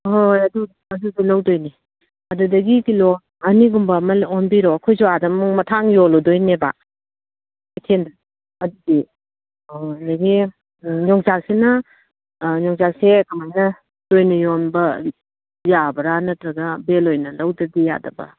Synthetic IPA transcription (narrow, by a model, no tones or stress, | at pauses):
ɦojɐdu | ɐdudulɐwdojni | ɐdudɐɡikilɔ | ɐniɡumbɐmɐlɔnbiɾɔkʰojzuadɐmmuŋmɐtʰaŋjolɔdojneba̰ | ajtʰenda | ɐdudi | naɡi | ɲɔŋzaksenɐ | ɲɔŋzaksekɐmajnɐ | d̥ojnɐjonbɐ | jabɐɾanɐtɾɐɡɐbelojnɐlɐwdɐɡija̰dɐbɐ̰